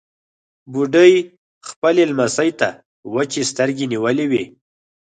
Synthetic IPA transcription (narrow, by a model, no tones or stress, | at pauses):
buɖəj | xpəlelmasəjt̪a | wət͡ʃest̪əɾɡeniwəlewi